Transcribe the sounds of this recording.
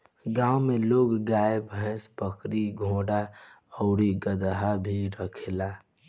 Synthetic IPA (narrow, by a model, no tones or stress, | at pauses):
ɡãːwmeloːɡɡaːebʱə̃spəkɾiɡʱõːɽa | əʊɾiɡəd̪ɦabʱiɾəkʰela